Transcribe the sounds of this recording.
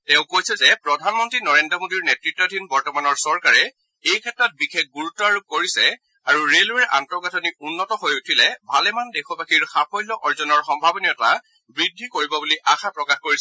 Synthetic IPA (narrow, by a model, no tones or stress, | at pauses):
tɛ̃ʊ̃kojsɛzɛpɹɔdʱanmɔntɹinɔɹendɹɔmodiɹnetɹitːɔdʱinbɔɹtɔmanɔɹsɔɹkaɹɛ | ejkʰɛtɹɔt̚bixek̚ɡuɹutːɔaɹukoɹisɛ | aɹuɹeluɛʔa̰ntɔɡatʰɔniʔunːɔtɔɦojutʰilɛbʱalɛmandexʰɔbaxiɹxapʰɔjlɔʔɔɹzɔnɔɹxɔmbʱabɔniɔta | bɹidʱːikoɹibɔbuliʔaxapɹɔkaxkoɹis